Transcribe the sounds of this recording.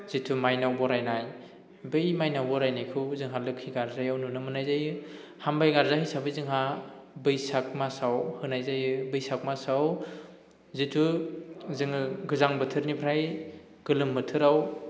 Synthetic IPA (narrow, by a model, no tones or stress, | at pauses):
z̥itʰumajnawbɔɾajnaj | bɯjmajnawbɔɾajnajkʰɯwzɯŋɦalɯkʰːiɡaɾzajawnunɯmɯnajzajɯ | hambajɡaɾzahijsabɯzɯŋɦabɯjsak̚masawhɯnajzajɯbɯjsak̚masaw | zitʰuzɯŋɯɡɯzaŋbɯtʰɯɾnipʰɾaj | ɡ̥ɯlɯmbɯtʰɯɾaw